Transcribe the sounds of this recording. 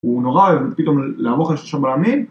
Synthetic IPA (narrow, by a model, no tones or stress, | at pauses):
unoʁaevet̪pit̪o̞mleavoχelʃoʃabalamim